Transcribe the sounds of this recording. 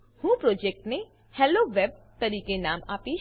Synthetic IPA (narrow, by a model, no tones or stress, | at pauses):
hũpɾod͡ʒek̚ʈne | hɛloʋeb̚t̪əɾikenamapi